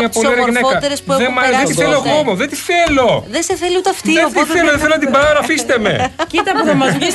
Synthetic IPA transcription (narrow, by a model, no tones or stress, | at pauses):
ɐpolieɾɐʝinekɐt̪eɾesuðemɐðet̪iθeloɣomoðet̪iθelo̞ðeseθeliut̪ɐft̪iet̪iθeloðeθeloɐt̪ibɐɐnɐfist̪eme̞̰cit̪ɐpuθɐmɐzis